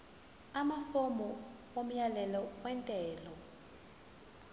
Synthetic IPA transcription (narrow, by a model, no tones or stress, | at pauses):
amafomɔwom̩jalɛlɔwɛntʼɛːlɔ